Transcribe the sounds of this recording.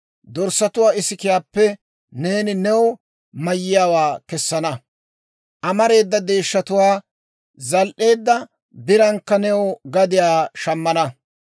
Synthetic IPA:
d̪ɔɾsːɐt̪ʊwaːɪsɪkɪjaːpːɛ | ne̞ːnɪnɛwɔ | mɐjːɪjaːwaːkɛsːɐnɐ | ʔɐmɐɾe̞ːd̪ːɐd̪e̞ːʃːɐt̪ʊwaː | zɐlʔe̞ːd̪ːɐ | bɪɾɐŋkːɐnɛwɔɡɐd̪ɪjaːʃɐmːɐnɐ

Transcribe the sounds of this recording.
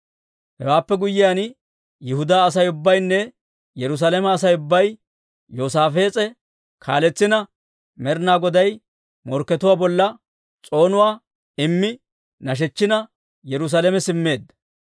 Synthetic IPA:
hɛ̰waːpːɛɡʊjːɪjaːn | jɪhʊd̪aːɐsɐjʊbːɐjnːɛ | jɛɾʊs̬aːlɛmɛːsɐjʊbːɐj | joːsaːfe̞ːt͡sʼɛ | kʰaːlɛt͡sːɪnɐ | mɛɾnaːɡɔd̪ɐj | mɔɾkːɛt̪ʊwaːbɔlːɐ | t͡sʼo̞ːnʊwaː | ɪmːɪ | nɐʃ̬ɛt͡ʃːɪnɐ | jɛɾʊs̬alɛmɛsɪmːe̞ːd̪ːɐ̥

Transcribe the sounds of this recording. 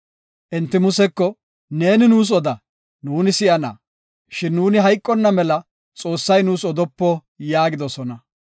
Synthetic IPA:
ʔɛnt̪ːɪmʊsɛkːɔ | ne̞ːnɪnuːs̬ɔd̪ɐ | nuːnɪsɪʔɐna̰ː | ʃɪnːuːnɪɦɐjkʼːɔnːɐmɛlɐ | t͡sʼo̞ːsːɐjnuːsɔd̪ɔpːɔ | jaːɡɪd̪ɔsɔnɐ

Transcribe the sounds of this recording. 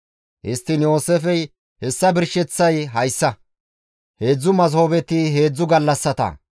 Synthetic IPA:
ʔɪst̪ːɪnjo̞ːsefɛj | hɛsːɐbɪɾʃɛt͡sːɐjɦɐjsːɐ | he̞ːd͡zːʊmɐzhoːbɛt̪ːɪɦe̞ːd͡zːʊɡɐlːɐsːɐt̪ɐ̰

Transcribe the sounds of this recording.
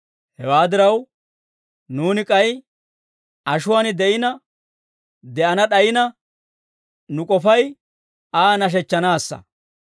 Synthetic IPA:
hɛwaːd̪ɪɾɐw | nuːnɪkʼɐj | ʔɐʃʊwaːnɪd̪ɛʔɪnɐ | d̪ɛʔɐnɐɗɐjɪnɐ | nʊkʼɔfɐj | aːnɐʃ̬ɛt͡ʃːɐnaːsːɐ̰

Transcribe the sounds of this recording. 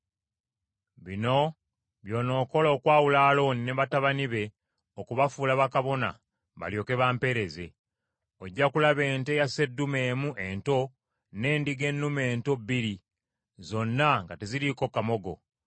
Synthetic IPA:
βino̞ | βjo̞ːno̞ːko̞loːkwaːwulaːlo̞ːnineβataβaniβe̞ | okuβafuːlaβakaβo̞na̰ | βa̰ljo̞ːke̞βaːmpe̞ɾe̞ze̞ | oɟːakulaβe̞ːnte̞jase̞dːume̞ːmuʔe̞nto̞ | ne̞ːndiɡe̞nːume̞ːnto̞bːiɾi | zo̞nːaŋɡateziliko̞kamo̞ɡo̞̰

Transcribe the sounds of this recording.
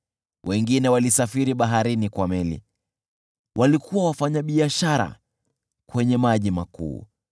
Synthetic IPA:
wʔɛŋɡinɛwalisafiɾiɓaɦaɾinikwamɛlḭ | wʔalikʰuwawafaɲaɓiaʃaɾa̰ | kwɛɲɛmaʄimakṵː

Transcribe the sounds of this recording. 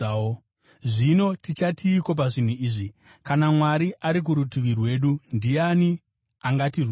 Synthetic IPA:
ʐino̞tit͡ʃatʰiːko̞p̬aʐin̤uiːʐi | kanamwaɾiʔaɾik̬uɾutuʋirwe̞ːɗundiani | aŋɡatiru

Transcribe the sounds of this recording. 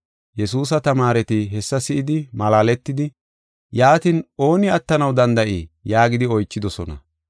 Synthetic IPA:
jɛsuːs̬ɐt̪ɐmaːɾɛt̪ɪɦɛsːɐsɪʔɪd̪ɪmɐlaːlɛt̪ːɪd̪ɪ | jaːt̪ɪnʔo̞ːnɪɐt̪ːɐnɐwd̪ɐnd̪ɐʔiːjaːɡɪd̪ɪɔjt͡ʃːɪd̪ɔsɔnɐ̰

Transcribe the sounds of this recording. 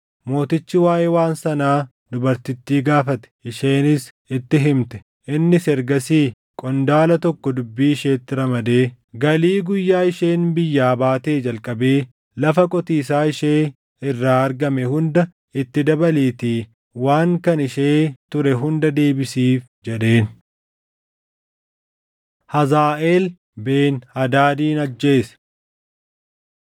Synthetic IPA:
mo̞ːt̪ɪt͡ʃːɪwaːʔeːwaːnsɐnaː | d̪ʊbɐɾt̪ɪt̪ːiːɡaːfɐt̪ɛ̥ʔɪʃeːnɪs | ɪt̪ːɪɦɪmt̪ɛ̥ | ʔɪnːɪsɛɾɡɐsiː | kʼɔnd̪aːlɐt̪ɔkːɔd̪ʊbːiːʃe̞ːt̪ːɪɾɐmɐd̪e̞ː | ɡɐliːɡʊjːaːɪʃe̞ːnbɪjːaːbaːt̪e̞ːd͡ʒɐlkʼɐbe̞ː | lɐfɐkʼɔt̪iːsaːɪʃeː | ɪrːaːɐɾɡɐmɛhʊnd̪ɐ | ɪt̪ːɪd̪ɐbɐleːt̪i | waːŋkɐnɪʃeːt̪ʊɾɛɦʊnd̪ɐd̪e̞ːbɪsiːf | d͡ʒɛᶑe̞ːn | hɐzaːʔeːl | be̞ːnhɐd̪aːd̪iːnɐd͡ʒːe̞ːsɐ̥

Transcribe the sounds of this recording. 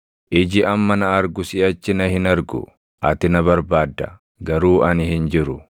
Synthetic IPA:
ʔɪd͡ʒɪʔɐmːɐnɐːɾɡʊsɪɐt͡ʃːɪnɐhɪnɐɾɡʊ̰ | ʔɐt̪ɪnɐβɐɾbaːd̪ːɐ | ɡɐɾuːʔɐnɪhɪnd͡ʒɪɾʊ

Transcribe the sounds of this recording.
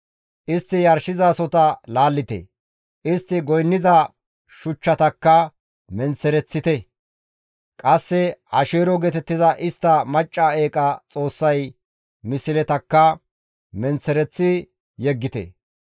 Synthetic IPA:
ʔɪst̪ːɪjɐɾʃɪzaːsɔt̪ɐlaːlːɪt̪ɛ̰ | ʔɪst̪ːɪɡɔjnːɪzɐ | ʃʊt͡ʃːɐt̪ɐkːɐ | mɛnt͡sːɛɾɛt͡sːɪt̪ɛ | kʼɐsːɛɐʃeːɾɔɡɛt̪ɛt̪ːɪzɐʔɪst̪ːɐmɐt͡ʃʼːaeːkʼɐt͡sʼo̞ːsːɐj | mɪsɪlɛt̪ɐkːɐ | mɛnt͡sːɛɾɛt͡sːɪ | jɛɡːɪt̪ɛ̰

